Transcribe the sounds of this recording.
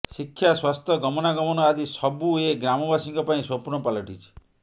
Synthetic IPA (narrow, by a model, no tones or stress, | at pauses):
sikʰːjaswast̪ʰɔɡɔmɔnaɡɔmɔnɔad̪isɔbueɡɾamɔbasiŋkɔpaĩswɔmpuɾnɔpalɔʈit͡ʃʰi̥